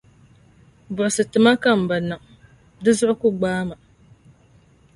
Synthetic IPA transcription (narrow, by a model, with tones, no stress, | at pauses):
bʊ˨ʔʊ˨sɨ˨tɨ˨ma˦ka˦m̩˨ba˨nɨ˨ŋ | dɨ˦zʊ˦ʔʊ˦kʊ˦ɡ͡baː˦ma˨